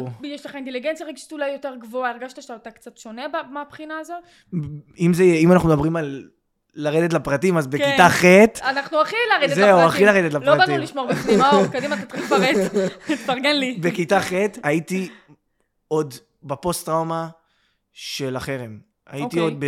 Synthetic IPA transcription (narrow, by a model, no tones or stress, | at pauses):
jɛʃlaχainteliɡent͡sjaʁeɡʃi̥t̪ulajjo̞teʁɡvoaeʁɡaʃt̪aʃat̪akt͡satʃo̞nebamapχinaːzo̞t | imzeimanaχnumed̪abʁimalː | aʁed̪et̬lapʁatimazbekkiaχet̪anaχnuaχilaʁed̪zeuaχilaʁed̪et̬laploʁatbanimliʃmoʁbekad̪imakod̪imat̪at̪ilifaʁettaʁɡenlibekitaχet̪ait̪i | o̞d̪ | bapo̞stʁawma | ʃelaχeʁem | a̰jiktiod̪̚be